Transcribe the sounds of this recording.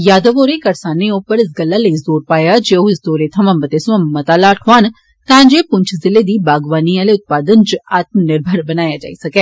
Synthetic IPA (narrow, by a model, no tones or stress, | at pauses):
jaːd̪əʋoːɾeːkəɾsaːneːoːpəɾɪs̬ɡəlːaːləizoːɾpaːjaːd͡ʒeːoɪsd̪oːɾeːt̪ʰəmãːmət̪eːsʊãmət̪aːlaːʈʰoaːn | t̪ãːd͡ʒeːpʊɲt͡ʃʰzɪleːd̪iːbaːɡʋaːniːaːleːʊt̪̚paːd̪ənt͡ʃaːt̪mənɪɾbʱəɾbənaːjaːd͡ʒa̰ːisɐkɛː